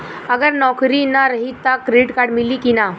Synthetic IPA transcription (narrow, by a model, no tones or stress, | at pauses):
əɡəɾnɔkɾinaɾəɦit̪ːakɾeʈkaɾɖmilikina